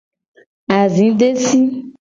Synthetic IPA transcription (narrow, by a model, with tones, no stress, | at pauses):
a˨zĩ˨˦ɖe˦si˦